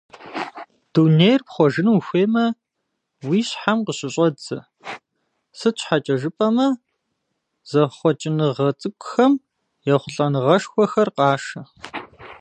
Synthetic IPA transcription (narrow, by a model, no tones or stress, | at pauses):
d̥uːnejrpχʷɔʒɨnuːxʷeːmɐ | wiːɕħamqəɕʼɪɕʼɐd͡zɐ̰ | sɨt͡ʃʷʰħat͡ʃʼɐʒɨpʼɐmɐ | z̥ɐχʷɔt͡ʃʼɪnɨʁɐt͡sʼɨkʷʼʊxɐm | jɛχʷʊɬʼɐnɨʁɐʂxʷɔxɐrqɑːʂɐ